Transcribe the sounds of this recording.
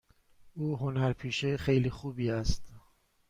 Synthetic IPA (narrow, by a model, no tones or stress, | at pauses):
ʔuːɦonæɾpʰiːʃexejliːxuːbiːæst̪